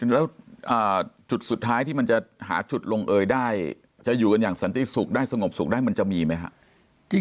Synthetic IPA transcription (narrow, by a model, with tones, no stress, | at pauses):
lɛː˦˥wʔəː˨˩t͡ɕu˨˩t̪̚su˨˩t̪ʰːaː˦˥jt̪ʰiː˥˩ma˧nt͡ɕa˨˩ɦa̰ː˩˦t͡ɕu˨˩t̪̚lo˧ŋʔɤː˧jdaː˥˩j | t͡ɕa˨˩juː˨˩ka˧njaː˨˩ŋsa˨˦nt̪i˨˩su˨˩k̚daː˥˩jsa˧ŋo˨˩p̚su˨˩k̚daː˥˩jma˧nt͡ɕa˨˩miː˧ma˦˥jkʰa̰˦˥ʔ